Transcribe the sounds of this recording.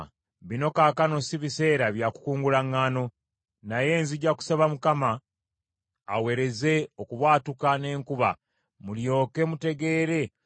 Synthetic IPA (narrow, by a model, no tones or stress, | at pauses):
βino̞kaːkano̞siβise̞ːɾaβjaku̥kuːŋɡulaŋːaːno̞ | naje̞ːnziɟaku̥saβamukama | we̞ɾe̞ze̞o̞kuβwaːtukane̞ːŋkuβa̰ | muljo̞ːke̞mute̞ɡe̞ːɾe̞